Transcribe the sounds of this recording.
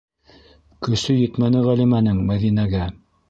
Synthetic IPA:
kɵ̆sɵjɵ̆t̪mænɘʁælimænɘŋmæðinæɡæ

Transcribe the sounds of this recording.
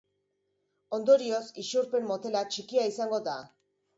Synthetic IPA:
o̞nd̪o̞ɾio̞sisuɾpe̞mːo̞t̪e̞lat͡ʃikiaisaŋɡo̞ða

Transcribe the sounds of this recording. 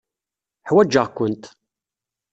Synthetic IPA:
ħwæd͡ʒːəʁkʷʊnt̪

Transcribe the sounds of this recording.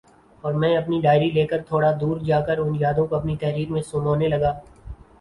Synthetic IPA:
ɔːɾmɛ̃ɐpniɖaːɪɾileːkəɾt̪ʰoːɽad̪uːɾd͡ʒaːkəɾʊnjaːd̪õkoɐpnit̪ɐɦɾiːɾmẽsoːmaːnelɐɡaː

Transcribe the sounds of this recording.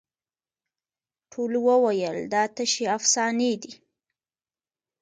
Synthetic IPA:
ʈʰolwəwajəld̪ɑt̪əʃeafsɑned̪i

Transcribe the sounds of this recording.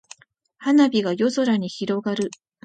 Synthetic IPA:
hanabʲiɡajo̞so̞ɾaɲ̟içiɾo̞ɡaɾɯ̟

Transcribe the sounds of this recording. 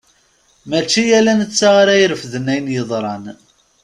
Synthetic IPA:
mæt͡ʃːijælænət͡sːaʁaɾæjɾəfðənæjnjəðˤɾˤɑn

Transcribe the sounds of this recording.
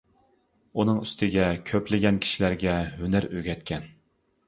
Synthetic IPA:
unɨŋyst̪ʰɪɡʲɛkʲʰøplɪɡʲɛnkʲʰi̥ʃilæɾɡʲɛɦønæɾøɡʲɛt̪̚kʲʰɛn

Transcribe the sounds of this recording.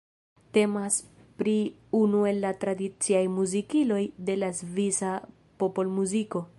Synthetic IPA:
te̞mas | pɾi | unue̞lːatɾadit͡siajmuzikilo̞jde̞lazvisa | popo̞lmuziko̞

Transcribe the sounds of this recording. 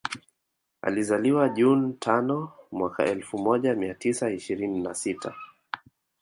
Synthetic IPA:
a̰lizaliwaʄuntʰanɔmwaka̰ɛlfumɔʄamiatisaiʃiɾininasitʰa

